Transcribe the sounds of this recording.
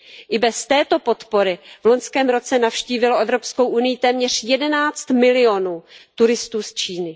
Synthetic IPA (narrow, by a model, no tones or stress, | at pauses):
ʔɪbɛst̪ɛːt̪o̞po̞t̪po̞ɾɪvlo̞ɲskɛːmɾo̞t͡sɛnafʃciːvɪlo̞ʔɛvɾo̞psko̞wʔunɪjɪt̪ɛːmɲɛr̝jɛdɛnaːt͡st̪mɪlɪo̞nuːt̪uɾɪst̪uːst͡ʃiːnɪ